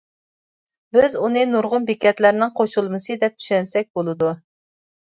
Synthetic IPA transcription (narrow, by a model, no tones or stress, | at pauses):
bɪzunɨnuɾʁʊnbikʲɛt̪læɾnɪŋqʰoʃulˠmɨsɨd̪ɛp̚t̪ʰy̥ʃɛnsɛk̚ʲbolˠɨd̪u